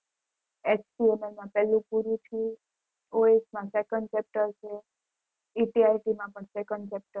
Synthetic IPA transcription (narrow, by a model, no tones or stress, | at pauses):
espiemelmãpɛlũpuɾũt̪ʰi | oesmãsekəɳɖsep̚ʈəɾt͡ʃʰe | iʈiajʈimãpəɳsekəɳɖsep̚ʈə